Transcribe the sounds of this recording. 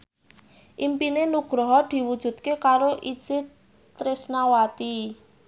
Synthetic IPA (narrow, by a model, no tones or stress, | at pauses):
ʔimpinenuɡ̥ɾɔɦɔd̪̥i̤wud̥ʒ̥ṳt̪̚kekaɾoʔit͡ʃɪt̪ | ɾɪsnawat̪i